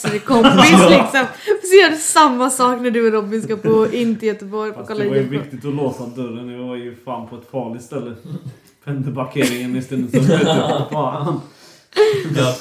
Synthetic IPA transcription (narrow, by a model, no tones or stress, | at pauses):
sɔd̪ɛkʰɔmɪlɪksɔmsɛjɔːɖɛsamːasɑːknæɖɵɛlɔmɪnskapʰɔɪnt̪ɪjœt̪əbɔɾjfɔkʰalːaajvɪkt̪ɪt̪ɔloːsad̪œɾənɛvɪvajɵfɾamːpʰɔɛt̪fɑːɭɪt̪st̪ɛlːə | pʰɛnd̪əbaɾkʰeːɾɪŋənɪst̪ɪəsɔmɛbɑːan